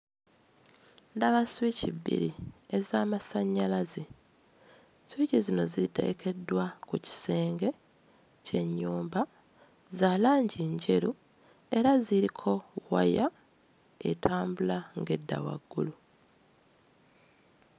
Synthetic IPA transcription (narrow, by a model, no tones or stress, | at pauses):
ndaβaswicḭbːḭɾie̞zaːmasaɲːalaze | swicizino̞zite̞̰ɡeke̞dːwakuci̥seːŋɡe̞ | ce̞ɲːuːmba | zaːlaːɲɟiːɲɟe̞ɾu | e̞ɾaziɾikʰo̞wa̰ja | e̞̰tʰaːmbulaŋɡe̞dːa̰wa̰ɡːṵlu